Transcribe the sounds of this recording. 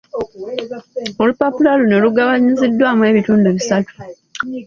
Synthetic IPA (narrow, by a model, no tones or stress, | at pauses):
o̞lupopulaluno̞luɡaβaɲizidːwaːmwe̞ːβituːnduβisatu̥